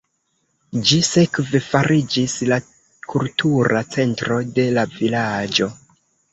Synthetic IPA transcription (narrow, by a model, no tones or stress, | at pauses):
d͡ʒise̞kve̞faɾʔid͡ʒisla | kʰultʰuɾat͡se̞ntɾo̞de̞lavilad͡ʒo̞